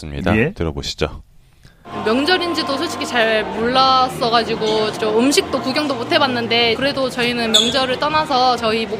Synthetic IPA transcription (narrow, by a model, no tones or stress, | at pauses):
s͈ɯmɲḭda̰etɯɾʌbo̰ɕʰi̥d͡ʑo̰ | mjʌŋd͡ʑʌɾind͡ʑidosʰot͡ɕʰi̥kʰit͡ɕaɭmuɭːas͈ʌɣad͡ʑiɡoʌmɯmɕʰik̚t͈okuɡjʌŋdomotʰe̞banːɯnde̞kɯɾe̞dot͡ɕʌinɯnmjʌŋd͡ʑʌɾɯɭt͈ʌnasʰʌt͡ɕʌimo